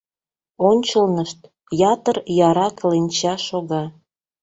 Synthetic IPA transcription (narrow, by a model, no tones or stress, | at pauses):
onʲt͡ɕəlnəʃt̪̚ | jɑt̪ərjɑɾɑklenʲt͡ɕɑʃoɣɑ